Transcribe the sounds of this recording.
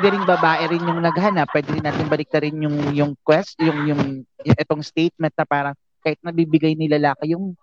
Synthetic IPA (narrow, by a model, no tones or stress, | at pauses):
ɛd̪ɛɾɪŋbɐbaːʔɛɾɪnjʊŋnɐɡɦɐnɐpːwɛːd̪ɪɾɪnːaːt̪ɪŋbɐlɪk̚t̪ɐɾɪnjʊŋjʊŋkwɛst̪jʊŋjʊŋjʊŋʔɛt̪oŋst̪ejt̪̚mɛnt̪̚nɐpaːɾɐ | kaːhɪt̪̚nɐbibɪɡajnɪlɐlaːkɐjʊŋ